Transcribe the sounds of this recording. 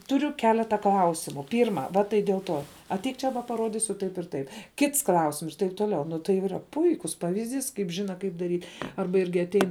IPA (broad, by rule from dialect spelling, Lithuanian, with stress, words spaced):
tʊˈrʲʊ ˈkʲæːlʲɛtɐ ˈklˠɐʊsʲɪmʊ ˈpʲiːrmɐ ˈʋɐ tɐɪ dʲeːlˠ ˈtoː ɐtʲˈɛɪk ˈt͡ʃʲɛ ʋɐ pɐˈroːdʲɪsʲʊ ˈtɐɪp ɪr ˈtɐɪp ˈkʲɪts ˈklˠɐʊsʲɪms ɪr tɐɪp toːˈlʲɛʊ ˈnʊ tɐɪ iːˈrɐ ˈpʊɪkʊs ˈpɑːʋʲɪzʲˌdʲiːs kɐɪp ˈʒʲɪnɐ ˈkɐɪp dɐˈrʲiː ˈɐrbɐ ˈɪrʲɡʲɪ ɐtʲˈɛɪn